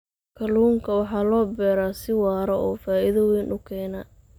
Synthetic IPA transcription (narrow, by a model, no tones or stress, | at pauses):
kʰɐluːŋkʰɐwɑħɑːlɔːbɛːɾaːsɪwɑːɾɐʔɔːfaːʔɪðɐwiːnʔʊkʰɛːnɐ